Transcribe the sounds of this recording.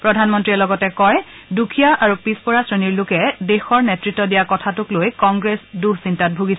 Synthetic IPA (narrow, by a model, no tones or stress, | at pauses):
pɹɔdʱanmɔntɹiɛlɔɡɔtɛkɔj | dukʰijaʔaɹupispɔɹasɹeniɹlʊkɛdexɔɹnetɹitːɔdijakɔtʰatʊklojkɔŋɡɹesduɹsintat̚bʱuɡis